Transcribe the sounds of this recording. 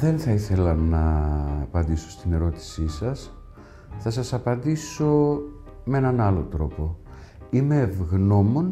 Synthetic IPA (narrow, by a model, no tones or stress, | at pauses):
ðe̞nθɐiθe̞lɐnɐːpɐnd̪iso̞̥st̪ine̞ɾo̞t̪i̥sisɐs | θɐsɐsɐpɐnd̪iso̞ | mee̞nɐnɐlo̞̰t̪ɾo̞po̞ | ime̞ːvɣno̞mo̞n